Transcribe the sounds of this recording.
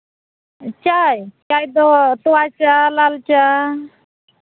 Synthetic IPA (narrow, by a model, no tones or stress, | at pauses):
t͡ʃajt͡ʃajd̪ɔt̪uat͡ʃalalt͡ʃa